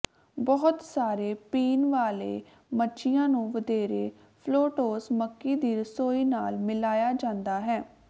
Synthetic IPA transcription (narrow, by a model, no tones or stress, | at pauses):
bɔɦʊt̪saːɾeːpiːnʋaːlḛː | mətːʃʰɪjãːnũːʋəd̪eːɾeː | pʰloːʈoːsməkːiːd̪iːɾəsoːiːnaːlmɪlaːjaːd͡ʒãːnd̪aːɦɛː